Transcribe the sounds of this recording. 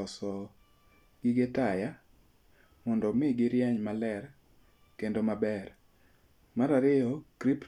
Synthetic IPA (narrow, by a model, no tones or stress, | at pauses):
ɔsɔ | ɡɪɡetaja | mɔndɔmɪɡɪɾjaɲmalɛr | kendomabɛr | maɾaɾɪjɔkɾip